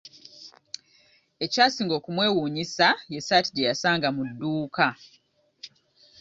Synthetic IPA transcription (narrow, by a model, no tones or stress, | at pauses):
e̞caːsiːŋɡo̞ːkumwe̞ːwuːɲisaje̞saːtidejasaːŋɡamudːuːka